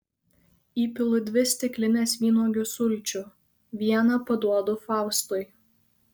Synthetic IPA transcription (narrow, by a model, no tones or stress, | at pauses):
iːpʲɪlˠʊd̪ʲʋʲɪsʲt̪ʲɪklʲɪnʲɛsʲʋʲiːnoːɡʲʊsʊlʲˑt͡ʃʲʊ | ʋʲiɛnɐpɐd̪uɔd̪ʊfɑˑʊst̪ʊj